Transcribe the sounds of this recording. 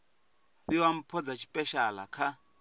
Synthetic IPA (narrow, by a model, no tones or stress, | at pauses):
βiwam̩pʰɔd͡zat͡ʃʰi̥pʼɛʃala̰kʰa